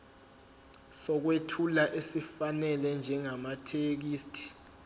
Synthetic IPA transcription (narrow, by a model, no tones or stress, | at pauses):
sɔk̬wetʰulaʔesifanɛlɛnd͡ʒʱɛŋamatʰek̬iːstʰi̥